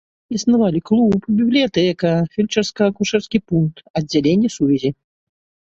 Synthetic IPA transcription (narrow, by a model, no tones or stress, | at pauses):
isnavalʲiklˠupbʲiblʲijat̪ɛkɐfʲilʲt͡ʃɛrskɐɐkuʂɛrskʲipunk̚t̪ɐdd͡zʲːalʲenʲːɛsuvʲɛzʲi